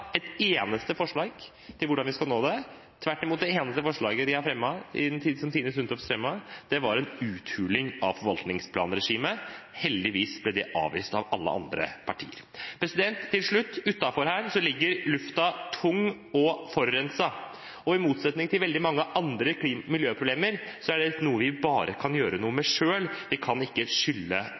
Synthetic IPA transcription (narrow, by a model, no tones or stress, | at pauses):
ɛt̪eːnəst̪əfɔʂɭɑːɡ | t̪ʰɪlʋʊɖɑnʋɪskɑlnoːd̪ɛ | t̪ʰʋæʈːɪmuːt̪̚d̪ɛeːnəst̪əfɔʂɭɑːɡəd̪ɪhɑɾfɾɛmːɑɪ̰nt̪ʰiːsɔmt̪iːəsɾʉnt̪ɔfsfɾɛmːɑd̪̥ɛʋɑɾɛnʉːt̪hʉːlɪŋɑʋfɔɾʋɑlt̪nɪŋspʰlɑ̰ːnɾɛʂiːməhɛld̪ɪʋiːsblɛd̪ɛʔɑ̰ːʋḭːst̪ɑʋɑ̰lːə̰ʔɑ̰nd̪ɾə̰pʰɑʈʰḭːə̰ɾ | pʰɾɛsɪd̪ɛnt̪ʰːɪlʂɭʉt̪ːʉt̪ːɑfɔɾhæːɾsɔlɪɡːəɾlʉft̪ɑt̪ʰʊŋː | ɔfɔɾːɛnsɑ | ɔɪmuːt̪sɛt̪nɪŋt̪ʰɪlʋɛld̪ɪmɑŋːəʔɑnd̪ɾəkʰliːmmɪljøːpʰɾʊbleːməɾsɔæɖɛnuːəʋɪbɑːɾʔəkʰɑnjøːɾənuːəmɛʂøːlʋɪkʰɑnɪkːəʂʏlːə